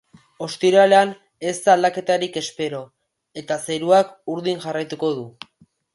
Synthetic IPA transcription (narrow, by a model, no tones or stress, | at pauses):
o̞st̪iɾale̞an | e̞st̪ald̪ake̞t̪aɾike̞spe̞ɾo̞ | e̞t̪aseɾuakuɾðinʝarajt̪uko̞ðu